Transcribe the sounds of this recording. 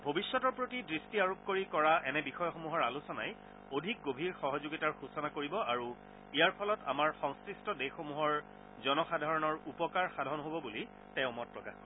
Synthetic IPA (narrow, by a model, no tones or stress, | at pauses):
bʱobisːɔtɔɹpɹotidɹistiaɹop̚koɹikɔɹaʔɛnɛbixɔjɔxomuɦɔɹalusɔna̰j | odʱik̚ɡobʱiɹxɔɦɔzoɡitaɹxusɔnakoɹibɔaɹu | ijaɹpʰɔlɔtamaɹxɔŋskɹistɔdexomuɦɔɹ | zɔnɔxadʱaɹɔnɔɹupɔkaɹxadʱɔɔnɦobɔbuli | tɛ̃ʊ̃mɔt̚pɹɔkaxɔ